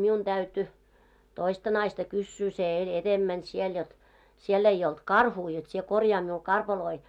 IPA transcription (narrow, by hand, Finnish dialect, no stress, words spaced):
miun d̥æyty toistɑ nɑistɑ kysːyː se elʲ etemːæn siel jot sielː ei olt kɑrhuː jot sie korjɑː miul kɑrpɑloi